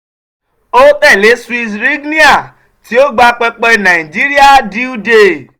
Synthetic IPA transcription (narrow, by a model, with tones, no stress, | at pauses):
o˦tɛ˦˨le˨˦si˧sɾi˦ɡnĩ˦a˦˨ | ti˨˦o˦ɡ͡ba˧k͡pɛ˧k͡pɔ˧˨nã˨i˨d͡ʒi˨˦ɾi˦a˦˨di˦u˦de˧˨